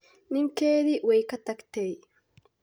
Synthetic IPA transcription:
nɪŋkeːd̪ɪwɛjkɐt̪ɐkt̪ej

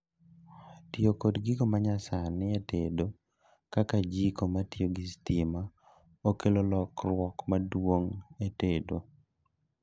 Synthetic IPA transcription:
tɪokodɡiɡomaɲasanɪetedo | kakad͡ʒikomatioɡistima | okelolɔkrwɔkmadwoŋetedo

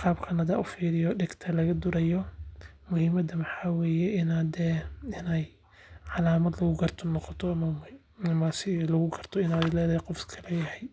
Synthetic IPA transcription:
qɑːbkʰɐnhɐða̰ːʔʊfiːɾɪjɔɖɪɡt̪ʰɐlɐɣɐd̪ʊɾɐjɔ | mʊhɪmɐd̪ɐmɐħɑːwɛːjɛʔɪnaːd̪ɛɪnɛj | ʕɑlaːmɐd̪lɐɣʊɡɐrt̪ʰɔnɔqɔt̪ʰɔɐmɐ | ɐmɐsɪlɐɣʊɡʰɐrt̪ʰɔɪnaːd̪ɪlɛːðɐhɛqɔfkʰɐlɛjɐhɛj

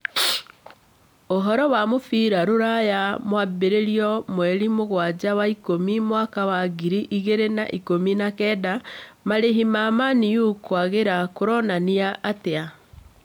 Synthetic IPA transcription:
oɦɔɾɔwamofiɾaɾoɾajamwabeɾeɾiɔmwɛɾimoɣwad͡ʑawaikomimwakawaɡiɾiʔiɣeɾena̰ʔikominakɛːdamaɾeɦimamanijukwaɣeɾakoɾɔnaniaʔːtea

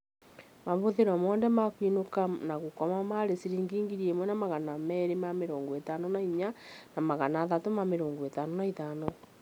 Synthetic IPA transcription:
maβoðeɾwamwɔːndɛmakwinokanaɣukɔmamaɾesiɾiːŋɡiːŋɡiɾiemwɛnamaɣanamɛɾemameɾoːŋɡoetanonaiɲanamaɣanaːðatomameɾoːŋɡoetanonaitaːno

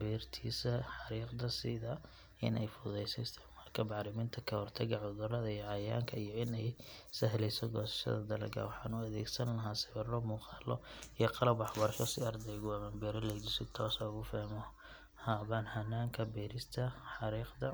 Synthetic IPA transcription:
bɛːrt̪ʰiːsɐħɑɾiːqd̪ɐsɪ̰ðɐ | ɪ̰nʔɛjfʊðɛjsɛɪst̪ʰɛmɐrkʰɐbɑʕɾɪmɪːnt̪ʰɐkʰɐhɔrt̪ʰɐɡɐʕʊðʊɾɐðɐijɔʕɑja̰ːŋkʰɐijɔɪnɛjsɐɦlɛjsɔɡɔːsɐ̥ʃɐ̰ðɐd̪ɐlɐ̰ɡɐ̰wɑħɑ̰ːnʊɐðɛ̰ːɡsɐnlɐɦaːsɪβɐrɔmuːqɑːlɔijɔqɑlɐbɑħbɐrʃɔsɪɐrd̪ɛjɣʊɐmɐːnbɛːɾɔlɛjd͡ʒɪsɪt̪ʰɔːsɐʊɣʊfaːmɔ | haːβanhɐnːaːŋkʰɐbɛːɾɪst̪ʰɐħɑɾiːqd̪ɐ

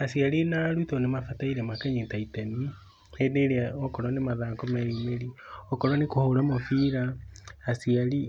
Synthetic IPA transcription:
asiaɾinaɾuitɔnemafataiɾɛmakɛɲetaitɛmi | edeɾeaɔkɔɾwɔnemaðaːkɔmɛimeɾiɔkɔɾwɔnekohoɾamofiːɾaasiaɾi

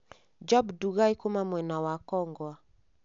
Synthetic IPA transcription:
d͡ʒɔbduɣaikumamwɛnawakɔŋɡwa

